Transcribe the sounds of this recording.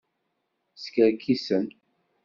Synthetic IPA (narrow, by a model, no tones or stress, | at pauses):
skʲəɾkisən